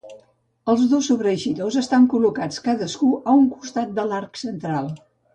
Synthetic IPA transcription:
əlˠzðosuβɾəʃiðozəst̪aŋkulukat͡skaðəskuʔəuŋku̥st̪at̪̚d̪əlarksənt̪ɾalˠ

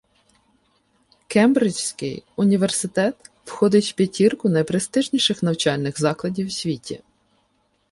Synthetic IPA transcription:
kɛmbɾɪt͡ʃsʲkɪjʊnʲiʋersɪt̪ɛt̪wxɔd̪ɪtʲwpʲitʲirkʊnɐjpɾest̪ɪʒnʲiʃɪxnɐwt͡ʃɑlʲnɪɣzɑklˠɐdʲiwsʲʋʲitʲʰḭ

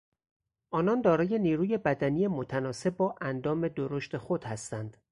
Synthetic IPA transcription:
ʔɒːnɒnd̪ɒːɾɒːje̞niːɾuːje̞bæd̪ænijemot̪ʰænɒːse̞b̚bɒːʔænd̪ɒːme̞d̪oɾoʃt̪e̞xod̪̥hæst̪ænd̪̥

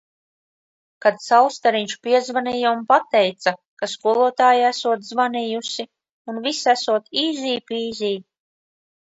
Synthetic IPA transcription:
kad̪sawst̪aɾiɲt͡ʃu̥piɛzvaniːjaunpat̪ɛjt̪sakaskuɔlˠuɔt̪aːjiæsuɔt̪zvanijusi | unvisæsuɔt̪iːziːpiːzʲiː

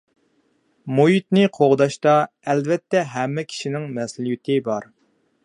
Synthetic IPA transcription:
moit̪nɪqʰoʁd̪ɑʃt̪ɑ | ɛlvɛt̪ːɛɦɛmːɛkʲʰi̥ʃinɪŋmɛsljyt̪ʰɪbɑɾ

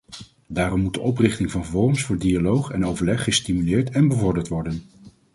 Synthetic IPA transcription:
daːrɔmːut̚dəʔɔprɪχtɪŋvɑnvɔɹəmsfʊːɹdialowχɛnowvəɹlɛχːəstimylɪːɹtɛnbəvɔɹdəɹtʋɔɹdən

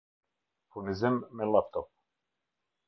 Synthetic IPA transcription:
pʰunizɛmːɛlap̚t̪ɔp̚

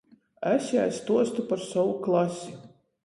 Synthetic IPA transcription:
æsʲa̰jst̪uɔst̪upaɾsɔwuklˠasʲi̥

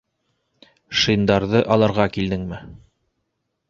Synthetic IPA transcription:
ʃɤ̆jnd̪ɑɾðɤʔɑlˠɑɾʁɑkild̪ɘŋmɘ

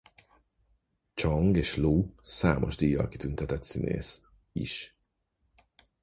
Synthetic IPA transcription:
t͡ʃɒŋɡeːʃluːsaːmo̞̰ʒd̪ijːɒ̰lki̥t̪ynt̪ɛt̪ɛt̪sinʔḛːs | ḭʃ

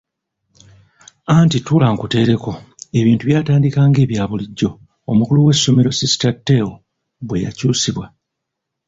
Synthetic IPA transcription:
antitulaŋkute̞ːɾe̞ko̞e̞βiːntuβjaːtaːndikaːŋɡe̞ːβjaːβuliɟːo̞ː | mukuluwe̞sːo̞me̞ɾo̞sisi̥tatːe̞ːwo | βwe̞ja̰cuːsiβwa

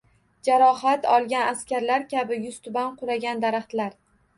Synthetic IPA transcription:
d͡ʒaɾɒɦat̪ɒlˠɡʲanaskʲaɾlaɾkʲabɪjʊst̪ʰʊbanqʰʊɾaɡʲand̪aɾaχt̪laɾ

